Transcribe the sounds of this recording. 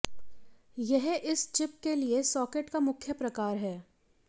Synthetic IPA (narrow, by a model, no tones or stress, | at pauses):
jɛɦɪst͡ʃɪp̚keliesɔːkeːʈkamʊkʰjəpɾɐkaːɾɦɛː